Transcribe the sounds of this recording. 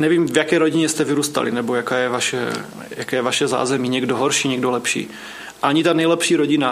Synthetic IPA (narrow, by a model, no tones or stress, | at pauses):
nɛviːmvjakɛjɾoɟɪɲɛst̪ɛvɪɾuːst̪a̰lḭnɛbo̞jakaːjɛvaʃɛ̰ | jakɛːjɛvaʃɛza̰ːzɛmiɲɛɡdoɦoɾʃiːɲɛɡdolɛpʃḭː | ʔaɲɪt̪anɛjlɛpʃiːɾo̞ɟɪna